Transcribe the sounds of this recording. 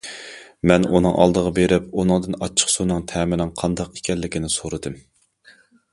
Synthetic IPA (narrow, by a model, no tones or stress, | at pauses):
mɛnunɨŋʔɑ̰lˠd̪əʁɑbeɾɪpunɨŋd̪ɨnɑt͡ʃʰːə̥qsonɨŋt̪ʰɛːmɪlɪŋqʰɑnd̪ɑqe̥kʲʰɛlːɪkʲinɪsoɾɨd̪ɨm